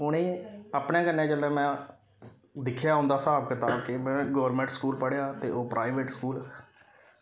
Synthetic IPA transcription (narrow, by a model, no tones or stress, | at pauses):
ʊnẽːəaːpɳẽːkənːẽːd͡ʒəlɛ̃ːmɛ̃ː | d̪ɪkʰjaːʊ̃nd̪aːsaːbkət̪aːkemɛ̃ːɡɔːʋəɾmɛ̃ːɳʈskuːlpəɽjaːt̪eːʔoːpɾʔaːiʋeːʈskuːlɛː